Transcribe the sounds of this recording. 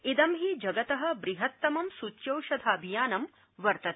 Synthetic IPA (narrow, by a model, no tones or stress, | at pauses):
id̪ɐmɦid͡ʒɐɡɐt̪ɐɦɐ̆bɾiɦɐt̪ːɐmɐmsut͡ʃːjɐwʃɐd̪ʱaːbʱijaːnɐm | ʋɐɾt̪ɐt̪